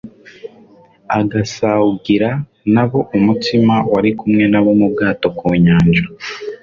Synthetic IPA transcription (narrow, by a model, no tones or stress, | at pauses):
aɡasawuɡiɾa | naβo̞ʔumutimawaɾikumŋe̞naβomub̚ɡaːto̞koːɲaːɲd͡ʒa